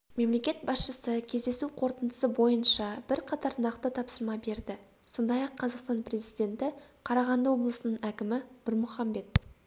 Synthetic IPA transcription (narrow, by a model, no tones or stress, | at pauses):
me̞mle̞kʲe̞t̪̚bɑsʃəsəkʲʰe̞zd̪e̞suqʰo̞ɾt̪ənd̪əsəbo̞jənʃɑb̥ɪɾqʰɑt̪ɑɾnɑqt̪ət̪ʰɑpsəɾmɑbe̞ɾd̪ɪ | so̞nd̪ɑjɑqʰːɑzɑqst̪ɑnpre̞zijd̪e̞nt̪ɪqʰɑɾɑʁɑnd̪əwo̞blˠəsənəɴækʲɪmɪʊɾmʊχɑmbe̞t̪